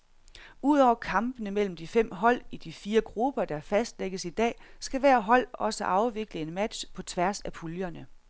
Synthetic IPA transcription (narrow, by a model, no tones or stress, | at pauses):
uð̞̰ˠɒ̰ʊ̰ɐkʰɑ̈mb̥ənəmel̰m̩d̥ifem̰ɦɒ̽l̰id̥ifiːɐɡ̥ʁub̥ɐd̥ɑfæsd̥leɡ̥əsid̥ɛ̰ːsɡ̥æʋæɐ̰ɦɒ̽l̰ɒ̽səʔɑ̈ʊʋe̝ɡ̥ləe̝nmæd̥ɕpʰɒ̽t͡sʰʋæɐsæpʰuljɐnə